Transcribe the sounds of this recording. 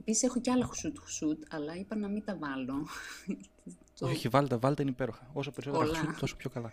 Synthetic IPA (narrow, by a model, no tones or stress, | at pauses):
episi̥sexo̞ceɐlɐxu̥sut̪xu̥sut̪ɐlɐipɐnɐmint̪ɐvɐlo | t̪oçeçivɐlit̪ɐvɐlit̪inipeɾoxɐo̞s̬ɐpeɾisot̪ːɾlɐt̪oso̥pçokɐlɐ